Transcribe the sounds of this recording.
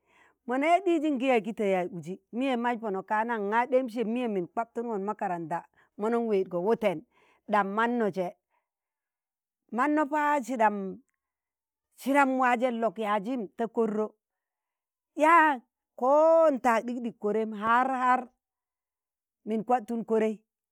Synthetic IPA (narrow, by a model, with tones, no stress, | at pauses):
mo˨na˦ja˦di˦d͡ʒi˦ŋɡi˦ja˨ɡi˦te˨ja˨u˨d͡ʒi˦mi˦je˨ma˦d͡ʒpo˨no˨ka˦na˦ŋːa˦de˦mʃ̬e˨mi˦je˦mi˨nk͡pa˦b̚tu˦n˦wo˨nma˦ka˨ɾa˨nda˨ | mo˦no˦nwe˨d̚ɡo˨wo˦te˨n | ɗa˨mːa˦nːo˨t͡ʃe˨ | ma˦nːo˦pa˦ʃi˦da˨m | ʃi˦ɾa˦m˦wa˦d͡ʒe˦lo˨kja˨d͡ʒi˦mta˦ko˦ɾːo˦ | ja˦ | ko˦n˨ta˨k̚di˦kdi˨kːo˨ɾe˦mɦa˦ɾha˦ɾ | mi˨nkʷa˦p̚tu˦nko˦ɾe˦i˦